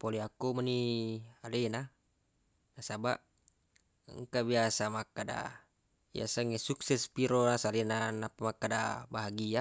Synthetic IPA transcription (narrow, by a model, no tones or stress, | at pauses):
polɛakumanialɛna | nasabaʔ | ŋkabiasamakada̰ | bḭa̰saŋɛsuksɛspiɾonasalɛnanapamakada̰baɦaɡia